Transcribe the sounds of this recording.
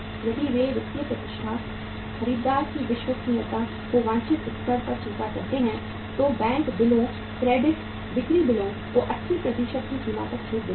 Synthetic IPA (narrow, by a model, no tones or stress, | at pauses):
d͡ʒəɖiːʋeːɾɪst̪iəp̪ət̪ɪʃaːs | xəɾiːb̪d̪aːɾkiːʋɪʃʋəsiːət̪ãː | oːʋãːɲt͡ʃɪt̪ʊtsəɾpəɾt͡ʃɪ̃ːpaːkəɾt̪eːɦɛ̃ː | t̪oːbɛ̃ːŋkbɪlõː | kɾɛːɖɪʈ | d̪ɪkɾiːbɪlõː | t̪oːʔətːʃʰiːpɾəd̪iːʃək̚kiːkiːma̰ːt̪əkt͡ʃʰoːkd̪ɪ